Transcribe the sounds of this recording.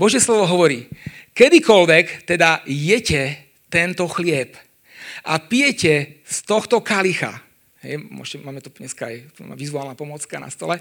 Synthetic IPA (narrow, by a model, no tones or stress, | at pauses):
bɔʒɪjɛslɔʋɔɦɔʋɔɾiːkɛd̪ikɔlʋɛkt̪ɛd̪ajɛcɛ | t̪ɛnt̪ɔxlɪɛp | ʔa̰pijɛcɛst̪ɔxt̪ɔkalixa̰ | ɦɛ̰jmʊɔ̰ʒcɛmaːmɛt̪uɲɛskaajt̪a̰ːma̰ʋizuaːlnapɔmɔt͡skana̰st̪ɔlɛ